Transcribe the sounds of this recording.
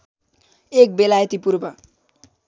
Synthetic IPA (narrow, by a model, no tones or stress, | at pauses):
ek̚belajt̪ipurbʌ